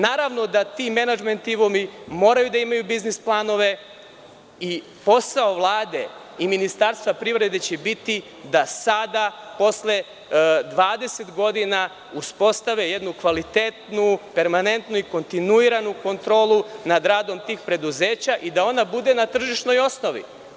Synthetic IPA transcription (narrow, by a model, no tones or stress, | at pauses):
naːɾaʋno̞d̪at̪ime̞nad͡ʒment̪iʋomimo̞ːɾajud̪aimajubiznisplˠaːno̞ʋe̞ | i | po̞sao̞ʋlˠaːd̪e̞ | iminist̪aɾst̪ʋapɾivɾe̞d̪e̞t͡ɕebit̪i | d̪asad̪apo̞sle̞ | d̪ʋaːd̪e̞se̞t̪ɡo̞d̪ina | uspo̞st̪aʋeje̞d̪nukʋalit̪et̪nupe̞ɾmane̞nt̪nuiko̞nt̪inuiɾanuko̞nt̪ɾo̞ːlˠunad̪ɾaːd̪o̞mt̪iːxpɾe̞d̪uze̞ːt͡ɕaʔid̪ao̞nabud̪e̞nat̪r̩ʒiʃno̞jo̞sno̞ʋḭ